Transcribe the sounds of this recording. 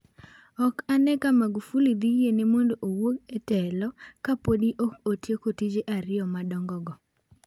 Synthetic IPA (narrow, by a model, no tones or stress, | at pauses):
ɔkanɛkamaɡufulid̪iɡjenemondoʔowoketɛlɔkapodiʔɔkotjekotid͡ʒeʔaɾɪɔmadɔŋɡɔɡɔ